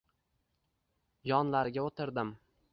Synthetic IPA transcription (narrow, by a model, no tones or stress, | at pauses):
jɒnlaɾɡʲaot̪ʰɪɾd̪ɪm